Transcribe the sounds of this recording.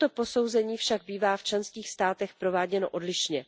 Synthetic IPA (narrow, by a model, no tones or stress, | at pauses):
t̪o̞po̞so̞wzɛɲiːfʃaɡ̚biːvaːft͡ʃlɛnskiːxst̪aːt̪ɛxpɾo̞vaːɟɛno̰ʔo̞dlɪʃʃɲɛ